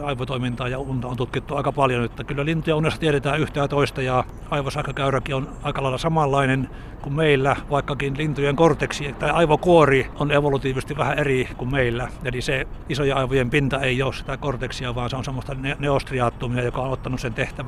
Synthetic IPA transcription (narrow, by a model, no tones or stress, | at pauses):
ɑiʋot̪oimint̪ɑːjɑunt̪ɑont̪ut̪kit̪ːuɑˑikɑpɑljonot̪ːækylːælint̪ujɑunesːɑt̪iet̪et̪æːyht̪æːt̪oist̪ɑjɑ | ɑiʋosɑhkøkæyrækionɑikɑlɑilɑsɑmɑlːɑinen | kummeilːæʋɑikːɑkinlint̪ujeŋkort̪eksit̪ɑiɑiʋokuorioneʋolut̪iːʋisest̪iʋʋæhæerikummeilːæjeliseisojeɑiʋojempint̪ɑeijoːssi̥t̪ækort̪eksiɑʋɑːnseonsemːost̪ɑneneost̪riɑːt̪ːumiɑjokɑonot̪ːɑnusent̪eht̪æʋ